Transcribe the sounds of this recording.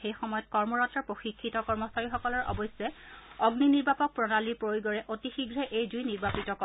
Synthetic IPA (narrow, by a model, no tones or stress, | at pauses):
xejxɔmɔjɔt̚kɔɹmɔɹɔtɹɔɹpɹoxikʰːitɔkɔɹmɔsaɹixɔkɔlɔɹʔɔ̰bɔsɛɔɡniniɹbapɔk̚pɹɔnalipɹojɡɔɹɛʔotixiɡɹɛʔejdujniɹbapitɔkɔ